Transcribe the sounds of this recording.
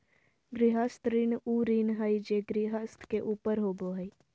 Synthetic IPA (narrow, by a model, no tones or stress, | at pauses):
ɡɾɪɦəst̪ɾinuːɾinɦəjd͡ʒeɡɾiɦəst̪ʰkeʔuːpəɾɦoːboɦəi